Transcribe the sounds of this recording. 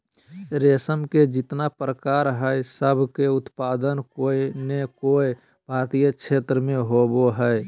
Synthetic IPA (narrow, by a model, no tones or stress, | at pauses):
ɾeːsəmked͡ʒɪt̪napɾəkaːɾɦɛjsəbʱkeʊt̪paːd̪ənkoːinekoːi | bʱaːt̪ijəkʃʰeːt̪ɾəmẽɦoboɦɛe